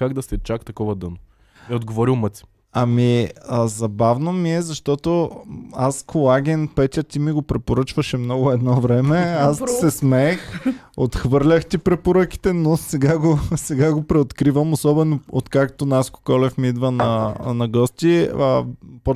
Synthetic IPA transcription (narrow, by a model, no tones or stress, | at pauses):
kaɡd̪ɐsɛt͡ʃakt̪ɐkɔvɐd̪ɤno | ɛod̪ɡovɔɾilˠmət̪si̥ | ɐmiəzɐbavnomiɛzɐʃt̪ɔt̪oaskʰolˠaɡʲɛnpɛt̪ʲət̪imiɡopɾɛpoɾət͡ʃvɐʃɛmnɔɡʊɛd̪nɔvɾɛmɛassɛsmɛx | ot̪xvɤɾlʲɐxt̪ipɾɛpoɾək̟i̥t̪ɛnosɛɡaɡosɛɡaɡopɾɛot̪kɾivəmosɔbɛnoot̪kakt̪onasko̥kɔlɛfmiid̪vənɐnɐɡɔst̪iəp